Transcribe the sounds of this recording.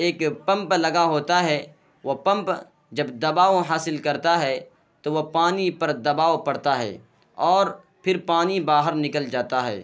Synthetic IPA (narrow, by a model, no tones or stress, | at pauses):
eːkpɐ̃mplɐɡaɦoːt̪aɦɛː | ʋopɐ̃mp | d͡ʒɐbd̪ɐbaːoɦaːsɪlkɐɾt̪aɦɛ | t̪oʋopaːnipɐɾd̪ɐbaːʋopɐɽt̪aɦɛ̰ː | ɔːɾ | pʰɪɾpaːnibaːɦəɾnɪkəld͡ʒaːt̪aɦɛ̰ː